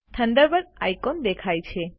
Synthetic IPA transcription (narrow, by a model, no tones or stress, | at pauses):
t̪ʰənd̪əɾbəɾajkond̪ekʰajt͡ʃʰe